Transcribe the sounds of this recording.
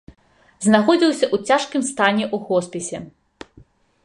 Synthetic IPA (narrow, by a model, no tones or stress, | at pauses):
znaxɔd͡zʲiwsʲɐʔut͡sʲaʂkʲɨmst̪anʲɛʔuɣɔspʲɛsʲɛ